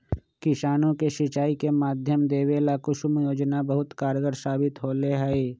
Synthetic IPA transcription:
kɪʃaːnõkeʃɪt͡ʃaːikemaːd̪ʱjəmd̪eːʋeːlakʊʃʊmjoːd͡ʒnabəɦʊt̪kaːɾɡəɾsaːbɪt̪ɦoːleɦɛe

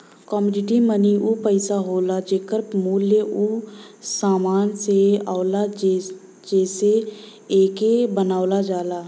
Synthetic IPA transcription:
kɔːmuːɖɪʈiməniʔupəɪsaɦoːlad͡ʒeːkəɾmuːljeʔu | saːmaːnseaːla | d͡ʒɛːse | eːkebənaːʊlad͡ʒaːlaː

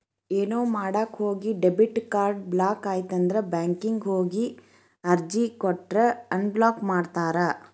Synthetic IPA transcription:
eːnoːmaːɽaːkhoːɡiɖebiʈkaːɾɖblaːkaːjt̪ɐnd̪ɐɾebaːŋkiŋɡɦoːɡi | ɐɾd͡ʒikɔʈɾɐɐnblaːkmaːɖt̪aːɾɐ

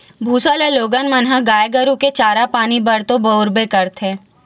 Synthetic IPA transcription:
bʱuːsaleloːɡənmənɦaɡaːjɡəɾuket͡ʃaːɾapaːnibɐɾt̪õboːɾbekəɾt̪ʰẽː

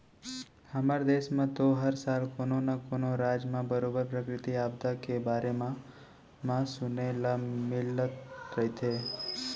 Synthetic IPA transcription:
hamaɾd̪eʃmãt̪oɦəɾsalkononakonoɾad͡ʒmãbəɾobəɾpɾəkɾɪt̪iabd̪akebaɾemã | mãsʊnelamɪlət̪ɾəit̪ʰe

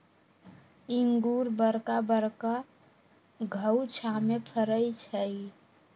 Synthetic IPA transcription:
iŋɡuɾbəɾkabəɾka | ɡʱəwt͡ʃʰamepʰəɾəjt͡ʃʰəj

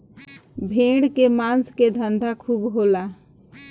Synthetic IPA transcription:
bʱẽːɽkemãːnsked̪ʱə̃nd̪ʱakʰuːbɦoːlaː

